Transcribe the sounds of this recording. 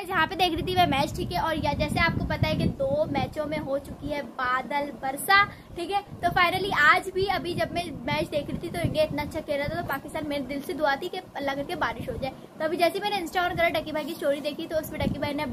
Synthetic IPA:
ɛd͡ʒɐɦãped̪eːkʰɾɛit̪ʰimɛ̃mɛːt͡ʃʈʰiːkɛɔːɾjɐd͡ʒɛːseaːp̚kopɐt̪aɦɛ̃k̬ed̪oːmɛːt͡ʃõmẽɦot͡ʃʊkiɦɛːbaːd̪əlbɐɾsa | ʈʰiːkɛːt̪ofaːɪnəliaːd͡ʒbʱiɐbʱid͡ʒɐbmɛ̃mɛːt͡ʃd̪eːkʰɾit̪ʰit̪oɪ̃ɡeɪt̪naɐtːʃʰakɛɾat̪ʰat̪opaːkɪst̪aːnmeːɾed̪ɪlsed̪ʊaːt̪ʰikeɐlːakɐɾkebaːɾɪʃɦoːd͡ʒaːe | t̪oɐbʱid͡ʒɛːsemɛːneɪ̃nsʈaɔːɾnɡəɾaɖɐkibʱaːikisʈoːɾid̪eːkʰit̪oʊsbiɖɐkibʱaːinẽ

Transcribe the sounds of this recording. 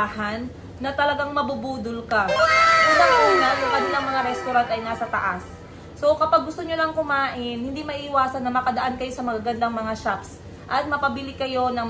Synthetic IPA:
ahɐnː | ɐt̪ɐlɐɡaŋmɐbubuːd̪ʊlkaʔɪlɐŋʔonajʊŋkɐnɪlaŋmɐŋaɾɛst̪ʊɾant̪ɐjnaːsɐt̪ɐ̰ʔasː | o̞kɐpaɡ̚ːʊst̪oɲolɐŋkʊmaːʔɪnhɪnd̪imɐʔiɪwaːsɐnːɐmɐkɐd̪ɐʔankɐjo̞sɐmɐɡaɡɐnd̪aŋmɐŋaʃaps | ʔɐt̪̚mɐpɐbɪlɪkɐjo̞nɐŋ

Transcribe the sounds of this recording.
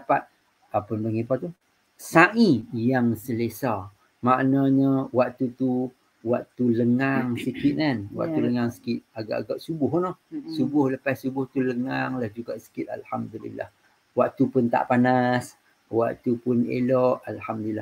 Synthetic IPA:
dapat̪̚ | apʊnbəŋipat̪u | saʔĩjaŋsəlesa | maʔnaɲəwaʔt̪ut̪u | waʔt̪uləŋaŋsəkit̪̚anwa̰ʔt̪uləŋaŋsə̥kɪt̪̚aɡa̰ʔaɡaʔsubʊɦnohsubʊhləpassubʊht̪uləŋaŋlahd͡ʒuɡaʔsə̥kɪt̪̚a̰lhamd̪ulḭlːa̰h | waʔt̪upʊnt̪a̰ʔpanas | wa̰ʔt̪upʊnḛlɔʔalhamd̪uilːa̰h

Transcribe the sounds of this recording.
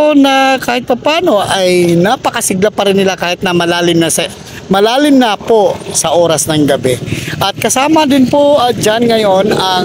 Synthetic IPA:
onɐkaːhɪt̪̚pɐpaːno̞ʔajnaːpɐkɐsɪɡlapɐɾɪnːɪlakaːhɪt̪nɐmɐlaːlɪmnɐsɐ | mɐlaːlɪmnaposɐʔoːɾɐsnɐŋɡɐbɛʔɐt̪̚kɐsaːmɐd̪ɪnpod͡ʒanŋɐjo̞nɐ

